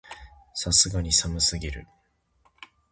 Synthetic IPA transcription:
sasɨɡaɲ̟isamɯ̟sɨɡʲiɾɯ̰

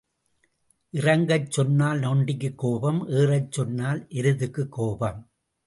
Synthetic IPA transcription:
ʔɪrɐŋɡɐɪt͡ʃːɔnːaːlnoːɳɖɪk̬ːɯkːoːbɐmʔeːrɐɪt͡ʃːɔnːaːlʔɛɾɯðɯkːɯkːoːbɐm

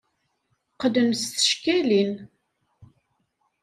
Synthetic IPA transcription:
qədəmsθə̥ʃkælin

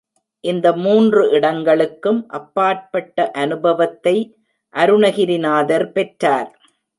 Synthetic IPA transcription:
ʔɪnd̪ɐmuːndrɯʔɪɽɐŋɡɐɭɯkːɯmʔɐpːaːʈ̚pɐʈːɐʔɐnɯbɐʋɐt̪ːɐɪ | ʔɐɾɯnɐɣɪɾɪnaːðɐɾpɛʈɾaːɾ

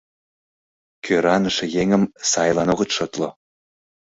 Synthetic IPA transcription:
kʰøɾɑnəʃĕjeŋə̆msɑjlɑnoɣə̆t̪ʃɤt̪lo

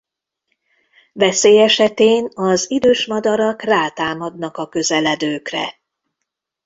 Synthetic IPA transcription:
vɛseːjɛʃɛt̪eːnɒzid̪øːʃmɒd̪ɒɾɒkraːt̪aːmɒd̪nɒkɒkø̞zɛlɛd̪øːkrɛ̰

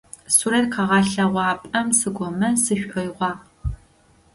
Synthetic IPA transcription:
suɾɐt̪qʰɑʁɑɬɐʁʷɑːpʼɐmsɨɡʷɔmɐsɨɕʷʼʔɔjʁʷɑː

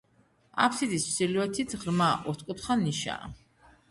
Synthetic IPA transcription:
a̰pʰsid̪ismsiliɛt̪ʰit̪ʰʁɾmaʔɔɾt̪ʰkʼɔt̪χaniʃa̰ː

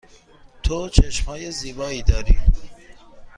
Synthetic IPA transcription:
t̪ʰot͡ʃʰeʃmhɒːjeziːbɒːiːd̪ɒːɾḭː

